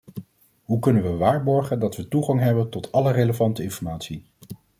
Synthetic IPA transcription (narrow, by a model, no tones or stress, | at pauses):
ɦukɵnənʋəʋaːɹbɔɹχəndɑtʋətuχɑŋɦɛbəntɔtʰɑləreləvɑntəɪnfɔɹmaːtsi